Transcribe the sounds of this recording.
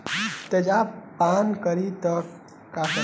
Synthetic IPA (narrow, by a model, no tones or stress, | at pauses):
t̪ed͡ʒapaːnkəɾit̪əkː | ak